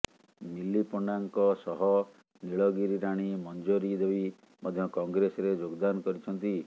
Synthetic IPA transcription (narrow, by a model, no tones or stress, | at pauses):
milipɔɳɖaŋkɔsɔɦɔ | niɭɔɡiɾiɾaɽ̃imɔnd͡ʒoɾid̪ebi | mɔd̪ʱjɔkɔŋɡɾesɔɾed͡ʒoɡd̪anɔkɔɾit͡ʃʰɔnt̪i